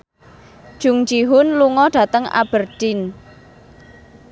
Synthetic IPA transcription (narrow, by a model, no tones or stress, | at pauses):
d̥ʒ̥ʊ̤ŋd͡ʒiɦʊnluŋɔɖ̥ä̤t̪əŋa̰b̥ərd̥in